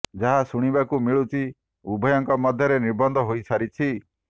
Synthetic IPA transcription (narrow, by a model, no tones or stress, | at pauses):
d͡ʒaɦasuɽ̃ibakumiɭut͡ʃʰi | ubʱɔjɔŋkɔmɔd̪ʱjɔɾeniɾbɔnd̪ʱɔɦojsʰaɾit͡ʃʰi